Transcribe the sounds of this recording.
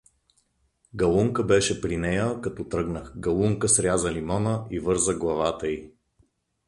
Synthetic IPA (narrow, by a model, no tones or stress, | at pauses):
ɡɐlˠuŋkəbɛʃɛpɾinɛjəkɐt̪ɔt̪ɾɤɡnəxɡɐlˠuŋkəsɾʲjazəlimɔnəivɤɾzəɡlˠɐvat̪əi